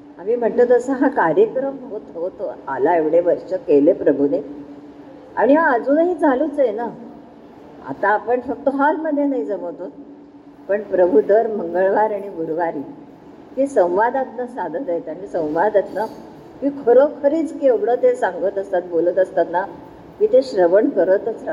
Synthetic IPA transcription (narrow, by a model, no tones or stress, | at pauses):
amiːm̤əɳʈ̪lət̪əsəɦakaɾjəkɾəmɦot̪ɦot̪oa̰laeʋɽeʋəɾʂəkelepɾəbʱune | a̰ɽ̃iɦaːd͡zuːnɦiːd͡zalut͡səjena | a̰t̪ãːpəɳfək̚t̪oɦalməd̪ʱːjenaid͡zəmət̪ot̪ | pəɳpɾəbʱud̪əɾməŋɡəɭʋaɾaɽ̃ibʱuɾʋaɾiː | kisə̃w̃ʋad̪at̪nəsad̪ʱət̪ajet̪aɽ̃isə̃w̃ʋad̪at̪na | kiːkʰəɾokʰəɾiːt͡skeʋɽət̪esaŋɡət̪əst̪at̪̚bolət̪əst̪at̪na | kiːt̪eɕɾəʋəɳkəɾət̪ət͡sɾa